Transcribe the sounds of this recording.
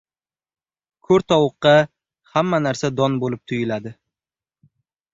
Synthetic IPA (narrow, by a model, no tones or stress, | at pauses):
kʰɵɾt̪ʰɒwʊqːɑ | hamːanaɾsad̪ɒnbolɪp̚t̪ʰʊjɪlad̪ɪ